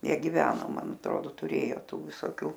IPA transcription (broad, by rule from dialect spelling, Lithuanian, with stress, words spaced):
ˈjiɛ ɡʲɪˈʋʲæːnoː ˈmɐn ɐtˈroːdoː tʊˈrʲeːjoː ˈtuː ʋʲɪsoːˈkʲuː